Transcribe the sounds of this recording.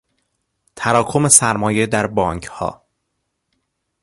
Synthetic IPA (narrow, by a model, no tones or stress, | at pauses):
t̪ʰæɾɒːkʰo̞me̞sæɾmɒːje̞d̪æɾbɒːŋcʰhɒ̰ː